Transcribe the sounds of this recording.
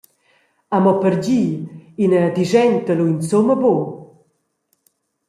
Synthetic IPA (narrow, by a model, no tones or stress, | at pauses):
amɔpəɾd͡ʑiinəd̪iʒɛnt̪əluint͡soməbo